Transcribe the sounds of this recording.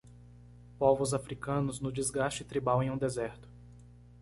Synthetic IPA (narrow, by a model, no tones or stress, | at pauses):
povʊzafɾikɐ̃nʊznʊd͡ʒizɡast͡ʃɪt̪ɾibawẽj̃ũd̪ezɛɾt̪ʊ̥